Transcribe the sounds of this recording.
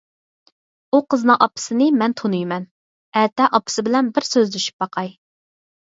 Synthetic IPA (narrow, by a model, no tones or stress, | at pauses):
uqəzɨnɨŋʔɑpːɨ̥sɨnɨmɛnt̪ʰonujmɛn | ɛt̪ʰɛʔɑpːɨ̥sɪbɪlɛnbɪɾsøzd̪yʃy̥p̚bɑqʰɑj